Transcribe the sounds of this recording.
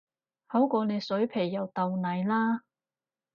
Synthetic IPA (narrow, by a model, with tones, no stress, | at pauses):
hɐ˨˥wkʷɔː˧ne˨˧jsɵ˨˥ɥpʰe˨˩jːɐ˨˩wt̪ɐ˨˧wnɐ˨˧jlaː˥